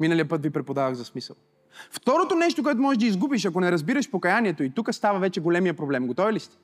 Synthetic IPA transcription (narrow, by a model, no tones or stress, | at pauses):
minəlijəpɤt̪vipɾɛpod̪avəɣzɐsmisə̰lˠ | ft̪ɔɾot̪onɛʃ̬t̪ok̬oɛt̪ʊmɔʒɛʒd̪əizɡubiʃɐkonɛɾɐzbiɾəʃpokɐjaniɛt̪oit̪ukəst̪avɐvɛt͡ʃɛɡolɛmijəpɾoblɛmɡot̪ɔvilist̪ɛ̥